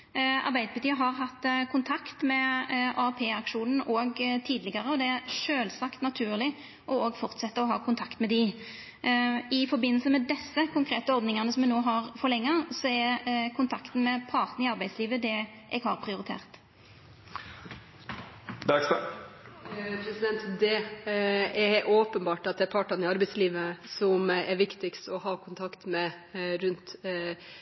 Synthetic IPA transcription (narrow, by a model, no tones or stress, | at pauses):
ɑ̰ɾbæɪd̪əbət̪iːəɦɑɾɦɑt̪ːkʰʊnt̪ʰɑkt̪mɛʔɑpʰeːɑkʂuːnn̩oːɡt̪ʰiːd̪lɪɡɑʁəɔd̪ɛæɾʂøːlsɑkt̪nɑt̪ʰʉːʁlɪ | ʔɔoːɡfɔɾt̪sɛt̪ːəɾɔɦɑ̰ːkʰʊnt̪ʰɑkt̪mɛd̪ɪ | ɪfɔɾbɪnːl̩səmɛd̪ɛsːəkʰʊŋkʰɾeːt̪əɔɾd̪nɪŋɑnəsɔmɛnoːɦɑʁfɔɾlɛŋːəsɔɛkʰʊnt̪ʰɑkt̪n̩mɛpʰɑɾt̪n̩ɪɑɾbæɪsliːʋəd̪ɛ | ʔɛɡhɑɾpʰɾɪʊɾɪt̪ʰḛːʁt̪ | bæs | pʰɾɛsɪd̪ɛnt̪d̪ɛ | ɛoːpənbɑːʈɑt̪̚d̪ɛæɾpʰɑːʈɑnɪɑɾbɛɪsliːʋəsɔmɛɾʋɪkt̪ɪkst̪ɔhɑːkʰʊnt̪ʰɑkt̪mɛ | ɾʉnt̪